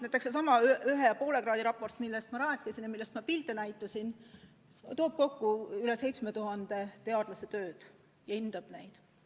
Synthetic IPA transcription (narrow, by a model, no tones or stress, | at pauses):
næjt̪ːˑekses̬ɑmɑyɦejɑpo̞ːle̞kɾɑːd̪iɾɑpːo̞rt̪ːˑmilːest̪mɑɾɑːk̪ːˑesinjɑmilːe̞st̪mɑpilt̪ˑenæjt̪ːˑɑsin | t̪o̞ːb̥̚ko̞kːuylese̞jt̪sme̞t̪uɦɑnd̪̥e̞t̪e̞ɑd̪̥lɑset̪ø̞ːd̪̥ | jɑind̪̥ɑb̥nejd̪̥